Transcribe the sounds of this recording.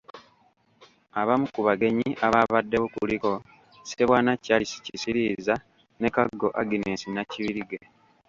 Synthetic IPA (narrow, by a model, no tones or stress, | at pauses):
aβamukuβaɡe̞ɲiʔaβaβadːe̞wokuliko̞ | seβwaːnacːalisi̥cisiɾiːza | ne̞kaɡːo̞ʔaɡinesinaciβiɾiɡe